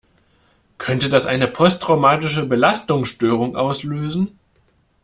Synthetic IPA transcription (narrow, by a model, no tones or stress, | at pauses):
kʰœntədasʔaɪnəpʰɔstʁ̥aʊmaːtɪʃəbəlastʊŋsʃtøːʁ̞ʊŋʔaʊsløːzn̩